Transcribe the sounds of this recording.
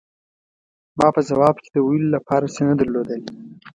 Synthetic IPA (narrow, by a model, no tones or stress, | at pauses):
mɑpəzawɑb̚ke̥d̪əwilolapɑɾasenad̪aɾlod̪əle